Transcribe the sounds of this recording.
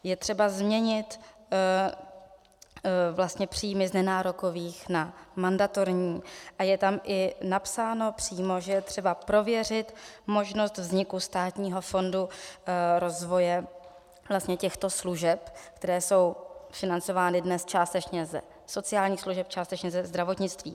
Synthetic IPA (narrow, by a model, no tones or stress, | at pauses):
jɛt̪r̥ɛbazmɲɛɲɪt̪ | vlast̪ɲɛpr̝̥iːmɪznɛnaːɾo̞ko̞viːxnamandat̪o̞ɾɲiːʔajɛt̪amʔɪnapsaːno̞pr̥iːmo̞ʒɛjɛt̪r̝̥ɛbapɾo̞vjɛr̝ɪt̪mo̞ʒno̞st̪vzɲɪkust̪aːt̪ɲiːɦo̞fo̞ndu | ɾo̞zvo̞jɛ | vlast̪ɲɛcɛxt̪o̞sluʒɛpkt̪ɛɾɛːso̞wfɪnant͡so̞vaːnɪdnɛst͡ʃaːst̪ɛt͡ʃɲɛzɛ̰ | so̞t͡sɪaːlɲiːxsluʒɛp̚t͡ʃaːst̪ɛt͡ʃɲɛzɛzd̪ɾavo̞t̪ɲɪt͡st̪vḭː